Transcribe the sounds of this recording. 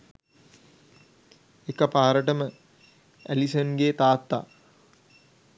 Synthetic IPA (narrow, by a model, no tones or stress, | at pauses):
ekəpaːɾəʈəmə | æ̰lisənɡeːt̪aːt̪ːa̰